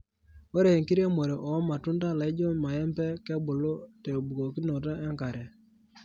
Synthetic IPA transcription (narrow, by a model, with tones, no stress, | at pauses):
wo˦ɾe˨e˨ŋki˦ɾje˦mo˨ɾe˨ʔɔ˨˦ma˨tu˦nda˦la˨i˦d͡ʒɔ˦ma˨ɛ˦mpɛ˦kɛ˦bo˨lo˦tɛ˨bu˨ko˨ki˦no˨t̬a˦ʔɛ˦ŋka˨ɾɛ˨